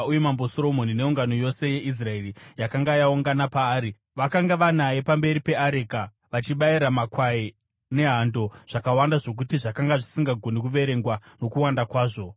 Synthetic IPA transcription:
ujemambo̞soɾo̞mo̞nine̞uŋɡano̞jo̞se̞je̞ʔis̬rae̞rijakaŋɡajauŋɡanapaːɾi | ʋakaŋɡaʋanaje̞pambe̞ɾipe̞aɾeka | ʋat͡ʃiɓaiɾamakwai | ne̞ɦando̞ʐ̥akawandaʐo̞k̬utiʐakaŋɡaʐisiŋɡaɡʱo̞nikuʋe̞ɾe̞ŋɡwano̞kuwandakwaːʐo̞

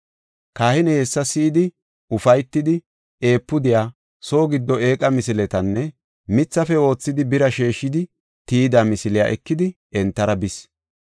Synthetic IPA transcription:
kaːhɪnɛhɛsːɐsiːd̪ɪ | ʊfɐjt̪ːɪd̪ɪ | e̞ːpːʊd̪ɪjaː | so̞ːɡɪd̪ːɔe̞ːkʼɐmɪsɪlɛt̪ɐnːɛ | mɪt͡sːɐfɛo̞ːt͡sːɪd̪ɪbɪɾɐʃe̞ːʃːɪd̪ɪ | t̪iːd̪amɪsɪlɪja̰ːʔɛkːɪd̪ɪ | ɛnt̪ːɐɾɐbɪs

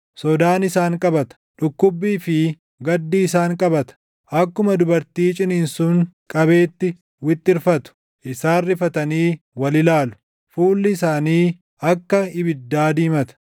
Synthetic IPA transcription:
sɔd̪aːnɪsaːŋkʼɐbɐt̪ɐ̥ᶑʊkːʊbːiːfɪ | ɡɐd̪ːiːsaːŋkʼɐbɐt̪ɐ̥ | ʔɐkːʊmɐd̪ʊbɐɾt̪iːt͡ʃʼɪnɪnsʊŋkʼɐbe̞ːt̪ːɪ | wɪt̪ʼːɪɾfɐt̪ʊ̥ | ʔɪsaːrːɪfɐt̪ɐniː | wɐlɪlaːlʊ̥ | fuːlːɪɪsaːniː | ɐkːɐɪbɪd̪ːaːd̪iːmɐt̪ɐ̥

